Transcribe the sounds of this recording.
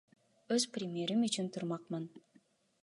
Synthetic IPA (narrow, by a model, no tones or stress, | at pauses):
øz̥prʲɪmʲeɾimyt͡ʃynt̪ʰuɾmɑq̚mɯn